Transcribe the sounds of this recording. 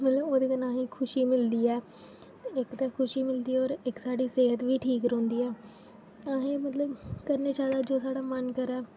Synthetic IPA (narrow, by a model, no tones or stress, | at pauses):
mət̪ləboːd̪eːkənaːɦẽːkʰʊʃiːmɪld̪iːɛː | ɪkt̪aːkʰʊʃiːmɪld̪iːɔːɾɪksaːɖiːseːɦət̪ʋiːʈʰiːkɾõːnd̪iːɛː | aːɦẽːmət̪ləbkəɾneːʃaːlaːd͡ʒoːsaːɽaːmənkəɾɛː